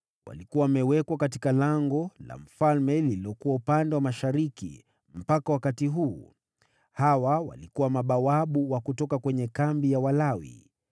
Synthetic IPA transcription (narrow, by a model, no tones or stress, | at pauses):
wʔa̰likuwamɛwɛkwakati̥kalaŋɡɔla̰m̩falmɛliliɔkuwaupandɛwamaʃaɾikḭ | m̩pakawakatiɦuː | hawawa̰likuwamaɓawaɓuwakutɔkakwɛɲɛkambijawalawḭ